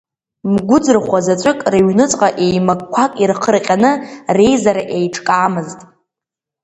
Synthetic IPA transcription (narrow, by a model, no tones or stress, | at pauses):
mɡʷʊd͡zɨrχʷazat͡ʃʷʼʊkʼraɥnɨt͡sʼqʼaʔejmakkʷʰakʼirqʰərqʲʼanɨre̞jzaɾaʔejʈ͡ʂʰkʼaːmɨztʼ